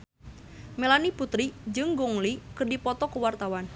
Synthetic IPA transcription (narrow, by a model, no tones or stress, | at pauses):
melaniput̪ɾid͡ʒɨŋɡɔŋlikɨrdipɔt̪ɔkəwart̪awan